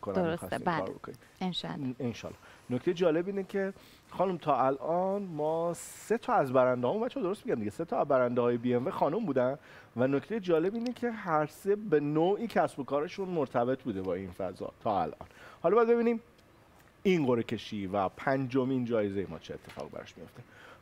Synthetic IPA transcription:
ikʰonæsxɒstikːɾɾbo̰kʰonḭmenʃenʃɒ̰lːɒ̰noct̪e̞jed͡ʒɒːle̞biːnecʰe̞ | xɒːnumt̪ʰɒːælʔɒnmɒːse̞t̪ʰɒːæzbæɾænd̪eɦɒːmũnbætt͡ʃʰɔd̪oost̪miɟæmd̪iɟeset̪ʰɒæzbæɾænd̪ehɒːjebiːenvexɒːnumbuːd̪æn | vænoct̪ejed͡ʒɒːle̞biːnecʰe̞ɦæɾsebe̞noːʔiːcʰæsbo̞kɒːɾeʃunmoɾt̪ʰæbe̞t̪ʰbuːd̪ebɒːinfæ̰zɒ̰t̪ʰɒːæ̰lʔɒ̰ːnhɒlɒːbæːd̪̚be̞biniːm | inɢoɾecʰe̞ʃiːvæpʰænd͡ʒomind͡ʒɒːjezejemɒ̰ːt͡ʃʰeet̪ʰːe̞fɒ̰ːɣibæ̰ɾɒ̰ʃmijo̞̰ft̪e̞

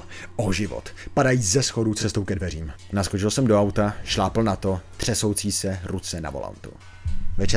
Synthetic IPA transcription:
ʔoʒɪvo̰t̪padajiːzɛsxo̞dut͡sɛst̪owkɛdvɛr̝iːm | naskot͡ʃɪlsɛmdo̞awt̪aʃlaːpl̩nat̪o̞t̪r̝̥ɛso̞wt͡siːsɛɾut͡sɛna̰vola̰nt̪ṵ | vɛt͡ʃɛ

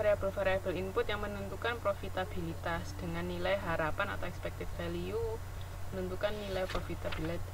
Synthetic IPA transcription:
aɾeab̥əlfaɾeab̥ə̤limpʊt̪jaŋmənənt̪ukanpɾofit̪ab̥ilit̪asd̪̥əŋanːilajɦaɾapana̰t̪awɛkspɛk̚t̪ɪffaliu | mənənt̪ukanːilajpɾofit̪ab̥ilɛt̪̚

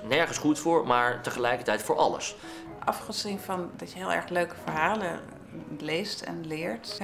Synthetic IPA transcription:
nɛɹχənsχutfʊːɹmaːɹtəχəlɛjkəɹtɛjtfʊːɹʔɑ̰lə̰s | ʔɑfχəzinvɑndɑtjəɦɪːlˠɛ̰ɹχløɥkəvəɹɦaːlə | lejstɛ̰nlɪːɹt

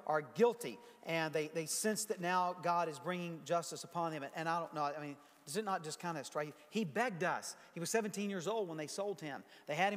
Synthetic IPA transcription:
ʔə˞ɡɪlˠtḭ | ʔɨ̃nðeɪðeɪsɛ̃nsðɨtⁿnaʊɡɑɾɨzbɹɪ̃ŋɪ̃ŋd͡ʒʌstəsəpʰɑ̃nɨ̃mʔɨ̃naɪɾõʊ̃nːoʊaɪmĩn | ɨsɨtⁿnət̚d̥ʒ̥ʌskʰãɪ̃ndɨstɹ̥aɪjɨ | hibɛɡ̚dʌshiwʌz̥sɛvɨ̃n̩tʰĩnjɪɹzoʊlˠd̚wə̃nðeɪsoʊlˠd̚ɪ̃mðeɪɨɾ̚ɨ̃

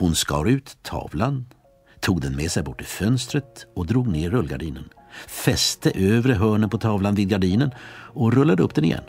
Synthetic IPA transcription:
hʊnskɑ̰ːɾʉ̟ːt̪ʰːɑ̰ːvlan | t̪ʰuːɡd̪ɛnmeːsɛjbɔʈːɪfœnst̪ɾət̪ɔd̪ɾuːɡneːɵlːɡa̰ɖiːnən | fɛst̪əʔøːvɾəɦœːɳənpɔt̪ʰɑːvlanviːd̪ɡaɖiːnənɔɾɵlːad̪əɵpːd̪̥ɛnɪ̰jɛ̰nː

